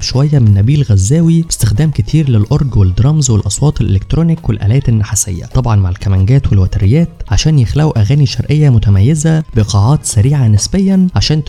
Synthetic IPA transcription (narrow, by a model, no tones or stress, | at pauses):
ʃowæjːæmenːæbiːlɣæzːæːwibest̪exd̪æːmket̪ʰiːɾlelʔoɾˤɡweld̪ɾˤɑmzwelʔɑsˤwɑːt̪ˤelʔelek̚t̪ɾoːnikwelʔæ̰læːt̪enːaħasḛjːæ̰t̪ˤɑbʕɑnmaʕelkæmæŋɡæːt̪welwæt̪æɾejːæːt̪ʕaʃæːnjexlæwʔæɣæːniʃɑɾˤʔejːæmʊt̪æmæjːezæbeqɑːʕɑːt̪sæɾiːʕanesbejːænʕaʃæːnt̪